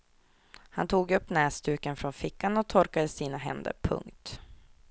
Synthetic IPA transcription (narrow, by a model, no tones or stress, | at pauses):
hant̪ʰuːɡɵpːnɛːst̪ʰʉ̟ːkənfɾɔnfɪkːanɔt̪ʰɔɾkad̪əsiːnaɦɛ̰nd̪ə̰ɾpʰɵ̰ŋkt̪